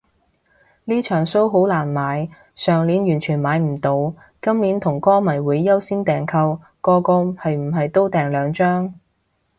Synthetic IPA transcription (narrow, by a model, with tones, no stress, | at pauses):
liː˥t͡ʃʰœː˨˩ŋso˥wɦo˨˥wlaː˨˩nmaː˨˥j | sœː˨˩ŋliː˨˥njyː˨˩nt͡ʃʰyː˨˩nmaː˨˧jm̩˨˩t̪o˨˧w | kɐ˥mniː˨˥nt̪ʰʊ˨˩ŋkɔː˥mɐ˨˩jwuː˨˥jːɐ˥wsiː˥nt̪ɛː˨ŋkʰɐ˧w | kɔː˧kɔː˧hɐ˨jm̩˨˩ɦɐ˨jt̪o˥wt̪ɛː˨ŋlœː˨˧ŋt͡ʃœː˥ŋ